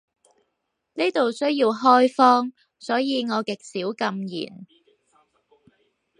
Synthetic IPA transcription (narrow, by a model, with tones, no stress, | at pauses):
niː˥t̪o˨wsɵ˥ɥjiː˧wɦɔː˥jfɔː˥ŋ | sɔː˨˥jiː˨˧ŋɔː˨˧kɪ˨k̚siː˨˥wkɐ˧mjḭː˨˩n